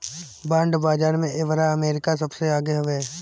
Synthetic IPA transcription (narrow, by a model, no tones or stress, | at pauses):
bãːɳɖbaːd͡ʒaːɾmẽʔeːʋɾaɐmeːɾɪkasɐbseaːɡeɦɐʋeː